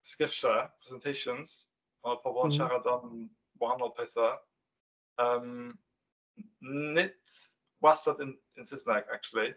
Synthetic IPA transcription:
skɪfʃəpʰɹ̥ɛzɛntʰeɪʃə̃nz̥ | ɔ̃nəpʰɔvɔnʃaɾadan | mɔanɔlpʰeθə | əm | nɪt | wasədɪn | ɪ̃nsɪsnɛkak̚t͡ʃuəlˠi

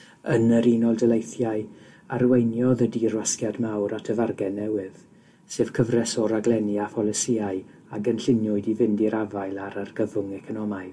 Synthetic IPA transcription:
ənəɾinɔlˠdəlejθjaɨ | arwejnjɔðədirwaskjadmawɾatʰəvarɡɛnːɛwɨð | sɨːv̥kʰəvrɛsɔɾaɡlˠɛniafɔlˠəsiaɨ | aɡənɬɪnjʊɨdivɪndiɾavajlˠaɾarɡəvʊŋɛkʰɔnɔmaɨ

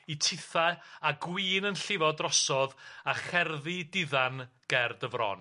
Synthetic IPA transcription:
itʰɪθaaɡwiːnənɬɪvɔdrɔsɔðaχɛrðɪdɪðanɡ̥ɛrdəvrɔ̰n

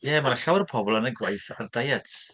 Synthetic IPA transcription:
jɛːmaɬawrpʰɔbɔlˠənəɡwajθardajatʰ

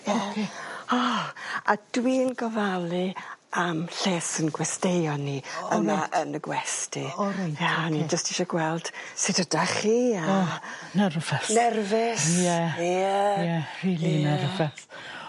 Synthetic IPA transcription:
kʰeɔa̰d̥winɡɔvalˠiamɬeːsənɡwɛstejɔnːiəmaʔənəɡwɛstiɾnjanid͡ʒəstiʃɔɡwɛlˠd̥sɪdədaχiːanɛrvɛθnɛrvɪsjɛɛjɛriːlinɛrvɛθ

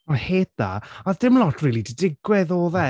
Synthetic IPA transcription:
ɔheːd̚d̥a̰ɔðdɪmlˠɔtʰriːlˠidədɪɡwɛðoːðɛ

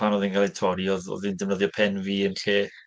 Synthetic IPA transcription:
anɔðinɡalˠɛtʰɔɾiɔðɔ̰ðindɪvnəðjɔpʰɛnviːənɬeː

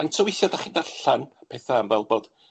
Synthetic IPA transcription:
antʰəwɪθjadaχɪndaɬanpʰɛːθaəmvɛlˠbod̥

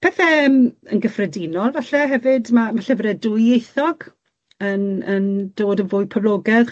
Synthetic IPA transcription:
pʰɛθɛəmənɡəfrɛdinɔlˠvaɬɛɦɛvɨdmamaɬɛvəɾɛdʊjejθɔɡ̥ | ənənd̥oːdənvʊɨpʰəvloːɡɛð

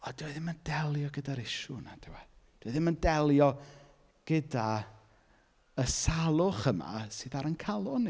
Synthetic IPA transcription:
ɔdwɛðɪməndɛlˠjɔɡədaɾɪʃʊnad̥ʰɛwɛ | d̥wɛðɪməndɛlˠjɔ | ɡ̥əda | əsalˠʊχəma̰sɨːðaɾənkʰalˠʊn

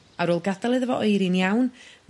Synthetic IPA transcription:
aɾoːlˠɡadalˠɨðəvɔʔɔjɾinjawn

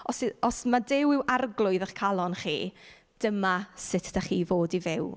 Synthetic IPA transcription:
ɔsɪɔsmadɪwɪwarɡlˠʊɨðəχkʰalˠɔnχḭː | d̥əmasɪtʰd̥aχiːvoːdivɪw

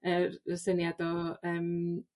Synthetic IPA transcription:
ərəsənjadɔəm

